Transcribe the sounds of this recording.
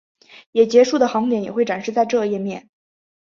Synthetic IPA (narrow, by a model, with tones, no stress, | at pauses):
jɛ˨˩t͡ɕjɛ˧˥ʂu˥˩d̪ə˩xɑ˧˥ŋt̪jɛ˧˥njɛ˨˩xwe˥˩ʈ͡ʂa˨˩nʂɻ̩˥˧t͡sa˥˧ɪʈ͡ʂɤ˥˧jɛ˥˧mjɛ˥˩n